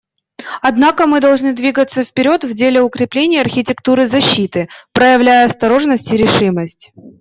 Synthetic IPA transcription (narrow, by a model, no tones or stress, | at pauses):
ɐd̪nakəmɨd̪ɐlˠʐnɨd̪vʲiɡət̪sːəfpʲɪɾʲo̞t̪vdʲelʲɪʊkɾʲɪplʲenʲɪjɐrxʲɪtʲɪkt̪uɾɨzɐɕːit̪ɨpɾəjəvlʲæjəɐst̪ɐɾo̞ʐnəsʲtʲɪɾʲɪʂɨməsʲtʲ